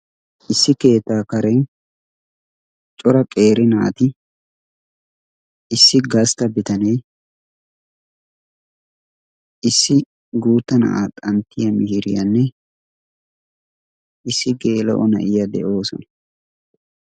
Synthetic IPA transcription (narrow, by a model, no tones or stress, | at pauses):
ʔɪsːɪke̞ːt̪ːaːkɐɾɛn | t͡ʃʼɔɾɐkʼe̞ːɾɪnaːt̪ɪ | sːɪɡɐst̪ɐbɪt̪ɐnej | ʔɪsːɪ | ɡuːt̪ːɐnɐ̰ʔat̪ʼɐnt̪ːɪjɐmɪhɪɾɪjɐnːɛ | ʔɪsːɪɡe̞ːlɔ̰ʔɔnɐ̰ʔɪjɐd̪ɛ̰ʔo̞ːsɔnɐ̥